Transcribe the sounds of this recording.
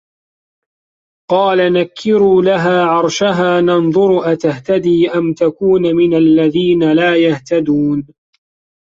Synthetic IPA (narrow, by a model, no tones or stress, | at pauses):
qɑːlanakʰːɪɾuːlaɦaːʕɑɾˤʃaɦaːnɑnðˤʊɾʔat̪aht̪ad̪iːʔamt̪akuːnmɪnalːaðiːnalaːjaht̪ad̪uːn